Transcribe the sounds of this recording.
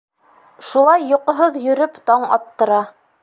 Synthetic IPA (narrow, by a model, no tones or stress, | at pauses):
ʃulˠɑjːŏqɤ̆ɦoðjɵ̆ɾɵpt̪ɑɴɑ̰t̪ːɤ̆ɾɑ